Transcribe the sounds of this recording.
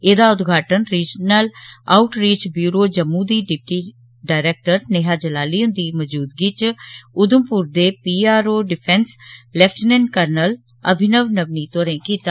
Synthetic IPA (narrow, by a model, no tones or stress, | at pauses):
eːd̪aːʊd̪ɡʱaːʈənɾiːd͡ʒnəla̰ːʊʈɾeːt͡ʃbjuːɾoːd͡ʒəmːũːd̪iːɖɪp̚ʈiː | ɖaːɪɾeːk̚ʈəɾnɪɦaːd͡ʒəlaːliːʊ̃nd̪iːməd͡ʒuːd̪ɡiːt͡ʃʊd̪ʊmpuɾd̪eːpiːaːɾoːɖɪpʰɛ̃nslɛpʰʈnɛːnkəɾnəl | ə̰bʱɪnəʋnəbniːt̪oːɾẽːkiːt̪aː